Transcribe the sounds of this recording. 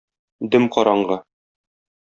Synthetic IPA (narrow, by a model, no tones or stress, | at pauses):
d̪ɘmqɒɾɑɴɢɤ